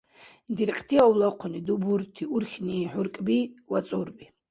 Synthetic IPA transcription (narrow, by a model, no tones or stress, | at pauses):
dirqʲʼtʰiawlaqʷʰʊniduburtʰiurχʲniħʊrkʼbiwat͡sʼurbi